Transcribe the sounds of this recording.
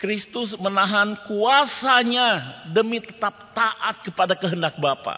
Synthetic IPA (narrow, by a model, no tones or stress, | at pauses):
kɾist̪ʊs̬mənaɦankuasaɲadəmit̪ət̪ap̚t̪aʔat̪̚kəpadakəɦəndak̚bapa̰